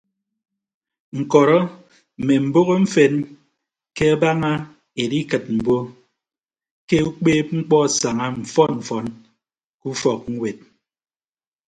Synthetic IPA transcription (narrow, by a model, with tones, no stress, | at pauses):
ŋ̩˨kɔ˨ɾɔ˦ | m̩˨me˨m̩˨bo˦ɣo˦m̩˦fe˦n | ke˦a˦ba˦ŋa˦ | e˨di˦kɨ˨t̚m̩˨bo˦ | ke˦u˦k͡peː˦p̚ŋ͡m̩˦k͡pɔ˦˨sa˨ŋa˦m̩˨fɔ˦nm̩˨fɔ˨n | ku˦fɔ˨k̚ŋ̩˦we˨t̚